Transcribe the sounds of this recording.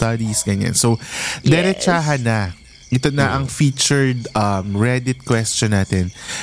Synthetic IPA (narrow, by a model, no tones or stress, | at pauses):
t̪ɐd̪isɡɐɲa̰nsod̪ɛɾɛt͡ʃaːɦɐnːɐ | ʔɪt̪onɐʔɐŋfiːt͡ʃɛɹd̪ʔɐmɹɛd̪ɪt̪̚kwɛst͡ʃɔnːaːt̪ɛn